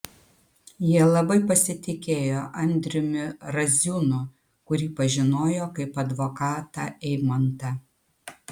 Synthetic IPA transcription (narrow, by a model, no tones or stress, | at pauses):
jiɛlˠɐbɐɪpɐsʲɪt̪ʲɪkʲeːjoːʔɐnʲd̪ʲɾʲɪmʲʊɾɐzʲunʊ | kʊɾʲiːpɐʒʲɪnoːjoːkɐɪpɐd̪ʋokɑːt̪ɑːʔɛɪmɐnt̪ɑ